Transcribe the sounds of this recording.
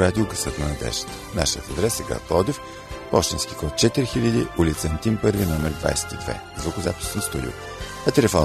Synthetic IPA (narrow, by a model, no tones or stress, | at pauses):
ad̪ilˠɡəsət̪nɐnɐd̪ɛ̰ʃt̪ | na̰ʃijət̪ɐd̪ɾɛsəɡa̰t̪ˠɔd̪if | pɔ̰ʃt̪inskʲi̥kɔt̪̚t͡ʃɛt̪iɾixiʎʲəd̪iʔʊlʲit̪sənt̪ʲimpɤɾvinɔmɛɾd̪va̰jsɛ̥t̪id̪vɛ̰ | zvokʊzapi̥sɛnst̪oɾʲḭ | ɐt̪ɛlɛfɔ